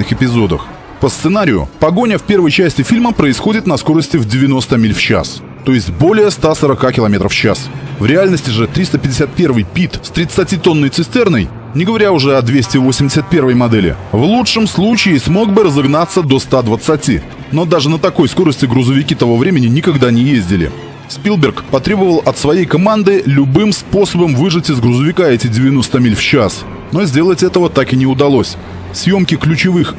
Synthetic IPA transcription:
ɨxɪpʲɪzo̞d̪ə̰x | pəst̪sɨnaɾʲɪjʊ̰pɐɡonʲəfpʲe̞rvəjt͡ɕæsʲtʲɪfʲilʲməpɾəɪsxo̞dʲɪt̪nɐsko̞ɾəsʲtʲɪvdʲɪvʲɪno̞st̪əmʲilʲft͡ɕa̰s | t̪o̞jɪsʲt̚ʲbo̞lʲɪjəst̪asəɾɐkakʲɪlˠɐmʲe̞t̪ɾəft͡ɕa̰svɾʲɪalʲnəsʲtʲɪʐɨt̪ɾʲist̪əpʲɪdʲɪsʲat̪̚pʲe̞rvɨjpʲit̪st̪ɾʲɪt̪sɨtʲit̪o̞nːəjt̪sɨsʲt̪ʲɛrnəj | nʲɪɡəvɐɾʲaʊʐɛɐd̪vʲesʲtʲɪvosʲɪmʲdʲɪsʲɨt̪̚pʲe̞rvəjmɐd̪ɛlʲɪ̰vlˠutʂɨmslˠut͡ɕɪːsmo̞ɡ̚bɨɾəzɐɡnat̪sːəd̪o̞st̪ad̪vət̪sɨtʲḭ | no̞d̪aʐɨnət̪ɐko̞jsko̞ɾəsʲtʲɪɡɾʊzəvʲɪkʲit̪ɐvo̞vɾʲemʲɪnʲɪnʲɪkɐɡd̪anʲɪjezʲdʲɪlʲɪ̰ | spʲilˠbʲɪrkpɐt̪ɾʲe̞bəvəlˠɐt̪svɐjejkɐmand̪ɨlʲʊbɨmspo̞səbəmvɨʐɨtʲɪzɡɾʊzəvʲɪkaɛtʲɪdʲɪvʲɪno̞st̪əmʲilʲft͡ɕas | no̞zʲdʲe̞lˠətʲɛt̪əvət̪akɨnʲɪʊd̪ɐlˠo̞sʲ | sʲjo̞mkʲɪklʲʉt͡ɕɪvɨx

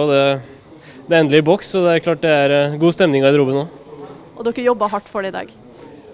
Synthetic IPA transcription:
ɔd̪ɛ | d̪ɛæɾɛnd̪əlɪbɔksːɔd̪ɛæɾkʰlɑːʈ̚d̪ɛæɾɡuːst̪ɛmnɪŋɑɾɪd̪ɾuːbənoː | ʔɔd̪ɔkːəjɔbːəɦɑʈːfɔɖɛɪd̪ɑ̰ːɡ

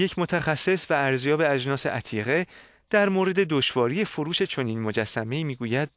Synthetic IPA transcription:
je̞cʰmo̞t̪ʰæxæsːe̞svæːɾzjɒːbe̞æd͡ʒnɒːse̞̰ʔæt̪ʰiːɣe̞ | d̪̥æɾmoːɾe̞d̪e̞d̪o̞ʃvɒːɾijefoɾuːʃe̞t͡ʃʰo̞niːnmo̞d͡ʒæsːæme̞iːmiːɡuːjæd̪̥̚

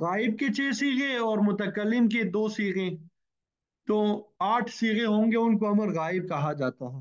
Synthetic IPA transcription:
ɣaːɪb̚ket͡ʃeːsiːɣẽɔːɾmʊt̪əkəlːɪmk̬ed̪oːsiːɣẽ | t̪oaːʈʰsiːɣẽɦõːŋɡeʊnkoɐməɾɣaːɪb̚kɐɦad͡ʒaːt̪aɦɛː

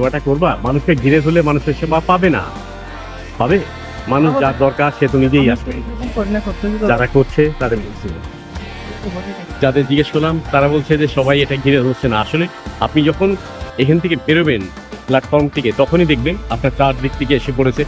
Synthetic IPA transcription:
ɔbaʈakoɾbamanuʃkeɡʱiɾed̪ʱolemanuʃeɾʃebapabena̰ | pabe | manuʃd͡ʑaɾd̪ɔɾkaɾʃet̪onid͡ʑejaʃoɾnakotʰed͡ʑaɾakoɾt͡ɕʰet̪ad̪eɾbolt͡ɕʰilḛ | d͡ʑad̪eɾd͡ʑiɡeʃkɔɾlamt̪aɾabolt͡ɕʰed͡ʑeʃɔbajeʈaɡʱiɾed̪ʱotːʰenaaʃolea̰pnid͡ʑɔkʰon | ekʰant̪ʰekepeɾoben | plaʈfɔɾmt̪ʰiket̪ɔkʰonid̪ek̚ʰbenapnaɾt͡ɕaɾd̪ik̚t̪ikeeʃep̬oɽet͡ɕʰe

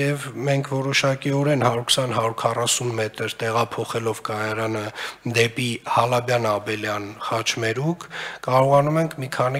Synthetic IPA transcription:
jɛvmɛŋkʰvɔɾɔʃɑkiɔɾɛnhɑɾuɾkʰsɑnɦɑɾuɾkʰɑrɑsunmɛt̪əɾt̪ɛʁɑpʰɔχɛlɔvkɑjɑɾɑnəd̪ɛpihɑlɑbjɑnɑbɛljɑnχɑt͡ʃʰmɛɾukʰkɑɾɔʁɑnumɛŋkʰmikʰɑni

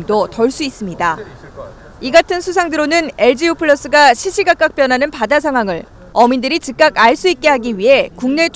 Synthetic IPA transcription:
mdotʌɭs͈uis͈ɯmɲida | iɡatʰɯnsʰusʰaŋdɯɾonɯne̞ɭd͡ʑiupʰɯɭːʌs͈ɯɡaɕʰiɕʰiɡak͈ak̚p͈jʌnɦanɯnpadas̬ʰaŋwaŋɯɭ | ʌmindɯɾit͡ɕɯk̚k͈akaɭs͈uit̚k͈e̞ɦaɡiɥiɦe̞kuŋne̞t͡ɕʰ

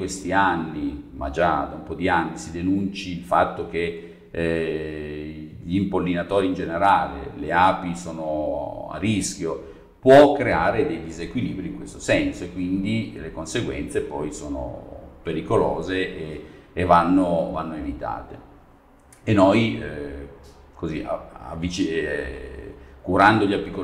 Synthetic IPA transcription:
west̪ianːimʔa̰d͡ʒad̪aumpɔd̪ianːisid̪enunt͡ʃilfa̰t̪ːok̟e | ʎimpolːinat̪oːɾind͡ʒeneɾaːlḛleaːpisoːnoa̰risk̟jo | pwɔkːɾeaːɾed̪ejd̪izekwiliːbɾiŋkwest̪osɛnsoekːwind̪ilekonseɡwɛ̰nt̪sepɔjsoːno̰peɾikolo̰ːzeʔːvanːovanːoevit̪a̰ːt̪e | enoj | kozia̰a̰vːit͡ʃ | kuɾand̪oʎiapikːo

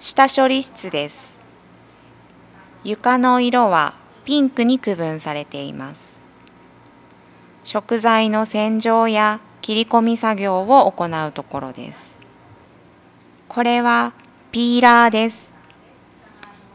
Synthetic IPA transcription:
ɕi̥t̪aɕo̞ɾʲiɕi̥t͡sɨd̪e̞sɨ̥ | jɯ̟kano̞iɾo̞βa̰ | pʲĩŋkɯ̟ɲ̟ikɯ̟bɯ̟̃ɰ̃saɾe̞t̪e̞ḭmasɨ̥ | ɕo̞kɯ̟zaino̞sẽ̞ɲ̟d͡ʑo̞ːja | kʲiɾʲiko̞mʲisaɡʲo̞ːβo̞ːko̞naɯ̟t̪o̞ko̞ɾo̞̰d̪e̞̰sɨ̥ | kʰo̞ɾe̞βa | pʲiːɾaːd̪e̞sɨ̥

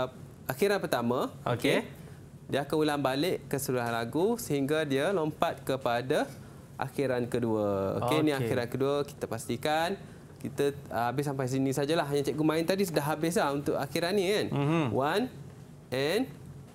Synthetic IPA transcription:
axiɾanpərt̪amãoke | diakaulanbalɪʔkːəsəluaɦanlaɡusəɦiŋɡadiəlompat̪̚kəpada | ʔa̰xiɾankəduəo̰kenĩakiɾankəduəki̥t̪əpast̪ikan | kit̪aabɪsampajs̬inĩsad͡ʒalaɦjãt͡ʃɛʔɡumãɪnt̪adis̬ədaɦabɪs̬lahunt̪ʊʔaxiɾanːikanwan | ɛn

